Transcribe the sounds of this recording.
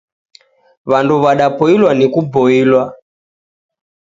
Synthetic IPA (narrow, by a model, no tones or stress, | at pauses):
βanduβaɗapɔilwanikubɔilwa